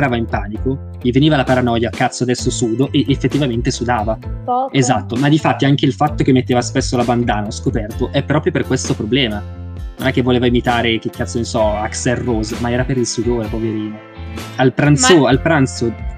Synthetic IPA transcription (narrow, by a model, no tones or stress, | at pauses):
ɾaːvaimpaːniko | ʎiveniːvalapaɾanɔjakːat̪sːoad̪ɛsːosuːd̪oʔeʔefːet̪ːivament̪esud̪aːvaezat̪ːomad̪ifat̪ːiaŋk̟eilfat̪ːok̟emːet̪ːeːvaspesːolaband̪aːnaɔskopɛrt̪oʔɛpːɾɔːpɾjoperkwest̪opɾoblɛːma | no̰nɛkːevːoleːvaimit̪aːɾek̟ekʰːat̪sonisɔaksɛrːozmaɛːɾapeɾilsud̪oːɾepoveɾiːno | alpɾant̪soalpɾant̪so